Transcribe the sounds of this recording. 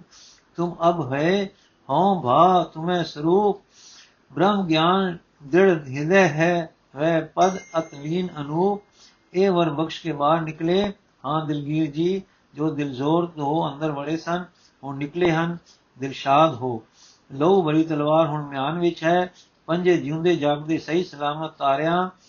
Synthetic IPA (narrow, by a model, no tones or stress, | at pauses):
t̪ʊməbɦəeː | hõːbʱaːt̪ʊmẽːsəɾuːkʰ | bɾəmɡjaːn | d̪ɪɽɦɪ̃d̪ɛːɦɛː | ʋɛːpəd̪ət̪liːnənuːk̚ | eːʋəɾbəkʃkeːbaːɾnɪkleː | hãːd̪ɪlɡiːɾd͡ʒiː | d͡ʒoːd̪ɪlzoːɾt̪ɦoːə̃nd̪əɾʋəɽeːsən | ɦʊɳnɪkleːɦən | d̪ɪlʃaːd̪ɦoː | ləuːbəɽiːt̪əlʋaːɾɦʊɳmɪjaːnʋɪt͡ʃɦɛː | pəɲd͡ʒeːd͡ʒũːnd̪eːd͡ʒaːɡd̪eːsəɦiːsəlaːmət̪ːaːɾjãː